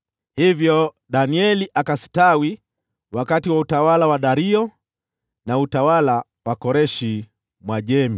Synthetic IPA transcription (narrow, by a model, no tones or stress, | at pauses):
hivjɔ | ɗaniɛliʔakasi̥tawi | wakatiwautawalawaɗaɾiɔ | nautawala | wakɔɾɛʃi | mwaʄɛmi